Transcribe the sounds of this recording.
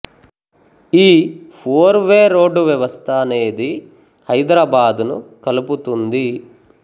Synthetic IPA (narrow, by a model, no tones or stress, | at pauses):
iːpʰoːɾʋeːɾo̞ːɖːuʋjɐʋɐst̪ʰɐːne̞ːd̪i | hɐjd̪ɾaːbaːd̪unukɐluput̪und̪i